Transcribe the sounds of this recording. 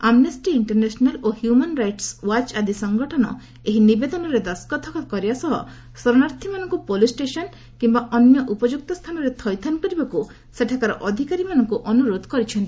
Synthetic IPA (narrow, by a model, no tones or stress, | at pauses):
amnesʈiiɳʈeɾnesɔnalohjumanɾajʈswat͡ʃad̪isɔŋɡɔʈʰɔnɔ̰ | eɦinibed̪ɔnɔɾed̪ɔskɔt̪ʰɔkɔkɔɾibasɔɦɔ̰ | sɔɾɔnaɾt̪ʰimanɔŋkupolisʈesɔn | kimbaʔɔnjɔʔupɔd͡ʒuk̚t̪ɔst̪ʰanɔɾet̪ʰɔjt̪ʰankɔɾibaku | seʈʰakaɾɔ̰ʔɔd̪ʱikaɾimanɔŋkuʔɔnuɾod̪ʱkɔɾit͡ʃʰɔnt̪i